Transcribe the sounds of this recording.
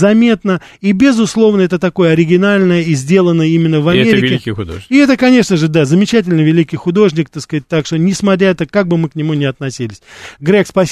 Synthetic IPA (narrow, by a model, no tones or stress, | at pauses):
zɐmʲe̞t̪nə | ibʲɪzʊslˠo̞vnəɛt̪ət̪ɐko̞jəɐɾʲɪɡʲɪnalʲnəjəizʲdʲe̞lˠənːəimʲɪnːəvɐmʲeɾʲɪkɪkʲɪʊd̪o̰ɪɛt̪əkɐnʲe̞ʂnəʐɨd̪azəmʲɪt͡ɕæt̬ʲɪlʲnəvʲɪlʲikʲɪjxʊd̪o̞ʐnʲɪk̚t̪ɐt̪skɐɪt̚ʲt̪ːakʂt̪onʲɪsmɐt̪ɾʲaɛt̪əkaɡ̚bɨmɨknʲɪmunʲɪɐt̪nɐsʲilʲɪsʲɡɾʲekspɐsʲ